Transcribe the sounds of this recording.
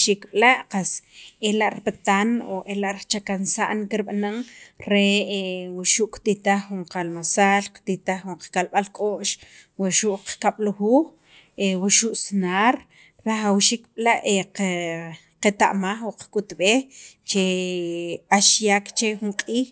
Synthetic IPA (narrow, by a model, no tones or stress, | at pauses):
ʃikɓlaʔqaselaʔɾipat̪anoʔelaʔɾt͡ʃakansa̰ʔnkiɾɓanaŋɾewaʃuʔkt̪it̪aχːuɴqalmasaːlqt̪it̪aχːuɴqakalɓalkʼoʔʃwaʃuʔqkaɓ̥luxuːx | ewaʃuʔsnaːɾ | ɾaxawʃiːkɓlaʔe | qet̪a̰ʔmaχwaqkʼut̪ɓeːxt͡ʃe | aʃjaːkt͡ʃexuɴqʼiːx